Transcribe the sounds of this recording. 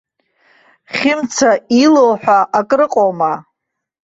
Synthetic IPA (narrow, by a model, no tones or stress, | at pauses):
χʲɪmt͡sʰailowħʷᶣaʔakʼrɨqʼowma